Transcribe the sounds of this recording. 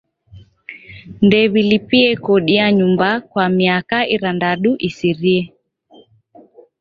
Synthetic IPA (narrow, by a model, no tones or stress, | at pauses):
ndɛβilipiɛkɔɗiaɲumbakwamiakaʔiɾandaɗuʔisiɾiɛ